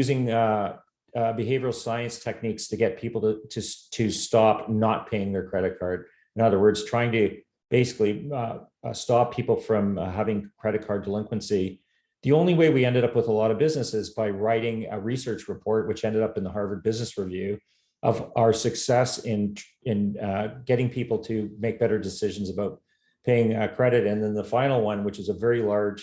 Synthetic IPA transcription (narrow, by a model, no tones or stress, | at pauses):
jʉzɪ̃ŋ | bɨɦeɪvə˞l̩ˠsaɪɨ̃nstʰɛk̚nikstʰɨɡɛt̚pʰipl̩ˠttʰɨtʰɨstɑpnət̚pʰeɪɪ̃ŋðə˞kʰɹ̥ɛɾɨt̚kʰɑɹd | ɨ̃nʌðə˞wɜ˞dz̥tʰɹ̥aɪɪ̃ŋtɨ | b̥eɪsɨ̥kli | stɑpʰːipl̩ˠfɹʌ̃mɦævɪ̃ŋkʰɹ̥ɛɾɨt̚kʰɑɹdəlɪ̃ŋkwə̃nsi | ðiõʊ̃nliweɪwiɛ̃ndɨɾʌpwəðəlɔɾʌvbɪznɨsɪzbaɪɹaɪɾɪ̃ŋɨɹisɜ˞t͡ʃɹɨpʰɔɹt̚wɨt͡ʃɛ̃ndɨɾʌpnðəɦɑɹdvə˞d̚bɪznɨsɹivjʉ | ʔʌvaə˞sɨksɛsɪ̃n | ɨ̃nɡɛɾɪ̃ŋpʰipl̩ˠtʰɨmeɪk̚b̥ɛɾə˞dɨsɪʒ̃n̩zəbaʊt̚ | pʰeɪɪ̃ŋkʰɹ̥ɛɾɨɾɨ̃nðɨ̃nðəfãɪ̃nl̩ˠwʌ̃nwət͡ʃɨzəvɛɹilɑɹd̥ʒ̥